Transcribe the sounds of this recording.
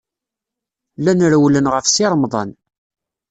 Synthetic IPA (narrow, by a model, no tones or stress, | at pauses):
lænɾwlənʁəfsɪɾˤmðˤɑ̰n